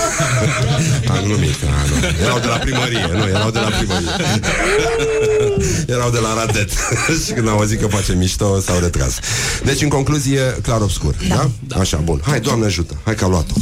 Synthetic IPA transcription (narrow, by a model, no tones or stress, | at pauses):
amnumit̪ | a̰nṵ | jeɾawd̪e̞lapɾiməɾijenujeɾawd̪e̞lapɾiməɾije | jeɾawd̪e̞laɾad̪et̪ʃikɨnd̪aozit̪kəpat͡ʃemiʃt̪osawɾet̪ɾa̰sd̪et͡ʃɨnŋko̞ŋkluzijeklaɾobskṵrd̪a | aʃa̰bunhajd̪oamneaʒut̪əhajkaloat̪o